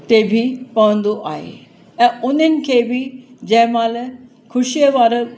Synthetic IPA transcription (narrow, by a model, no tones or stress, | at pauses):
t̪ebʱipaʋə̃nd̪oʔaɦḛ | ɛ̃ːʊnənɪ̆kʰebʱid͡ʑɛ̃ɦmãlə | kʰʊɕijəʋaːɾ